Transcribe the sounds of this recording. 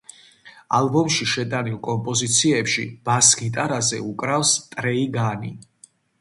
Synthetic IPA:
a̰lˠbɔmʃiʃɛt̪ʼanilˠkʼɔmpʼɔzit̪sʰiɛpʃḭb̥asɡit̪ʼaɾazɛ̰ukʼɾafst̪ʼɾɛiɡani

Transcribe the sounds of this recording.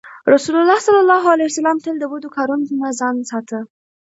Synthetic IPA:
ɾasulʊlːɑsalːɑlːɑɦalajusalɑmt̪əld̪əbud̪okɑɾunknazɑnsɑt̪ʰə

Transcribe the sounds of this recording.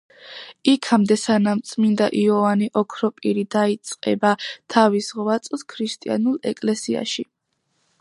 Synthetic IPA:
ikʰamd̪ɛsanamt̪sʼmind̪a̰ʔiɔvaniʔɔkʰɾɔpʼiɾid̪ait̪sʼqʼɛ̰bat̪ʰavisʁvat̪sʼˠskʰɾist̪ʼia̰nulˠɛkʼlɛsia̰ʃi

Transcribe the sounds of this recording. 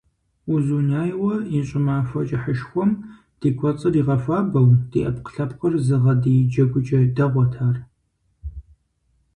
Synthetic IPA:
uzuːnaːjwɐiɕʼɪmaːfʷɐt͡ʃʼɪħəʃxʷɔm | d̥iːkʷʰɔt͡sʼɨriːʁɐfʷaːbɐwd̥ḭːʔɐpqə̥ɬɐpqərzɨʁɐdijd͡ʒɐɡʷʊd͡ʒʼɐdɐʁʷɔtʰaːr

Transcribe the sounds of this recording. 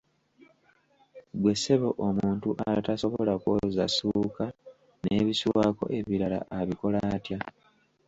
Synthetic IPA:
ɡwe̞se̞βo̞ʔomuːntuʔataso̞βoo̞lakwozasuːka | ne̞ːβisuwaːko̞̰ʔe̞βiɾala̰ʔaβiko̞laːtja

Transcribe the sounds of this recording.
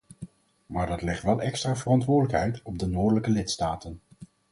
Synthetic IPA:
maːɹdɑtlɛχtʋɛlˠʔɛkstraːvərɑntʋʊːɹdələkɦɛjtɔb̚dənoːɹdələkəlɪtstaːtən

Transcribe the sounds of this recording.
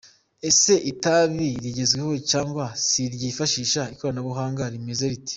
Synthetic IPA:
e̞se̞ʔitaβiɾiɟe̞zɡweho̞t͡ʃaːŋɡwasiɾɟifaʃiːʃaiko̞ɾanaβuɦaːŋɡaɾime̞ze̞ɾiti̥

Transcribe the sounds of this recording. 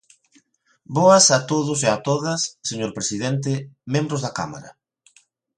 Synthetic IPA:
bɔɐsat̪oðʊseat̪oðɐsːeɲoɾpɾesiðent̪̬ɪmẽmbɾʊzðɐka̰ma̰ɾɐ̰

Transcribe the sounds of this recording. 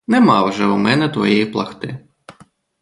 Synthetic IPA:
nɛmɑwʒɛumɛnɛt̪ʋɔ̰jɛjiplˠɐ̰xt̪ɪ

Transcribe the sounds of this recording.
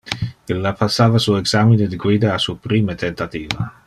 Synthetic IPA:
ilːapasːaːvasueksamined̪iɡwiːd̪aːsupɾiːmet̪ʰent̪at̪iːva̰

